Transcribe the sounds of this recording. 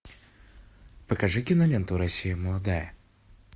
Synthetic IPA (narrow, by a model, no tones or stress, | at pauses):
pəkɐʐɨkʲɪnɐmʲent̪ʊɾɐsʲijəməlˠɐd̪ajə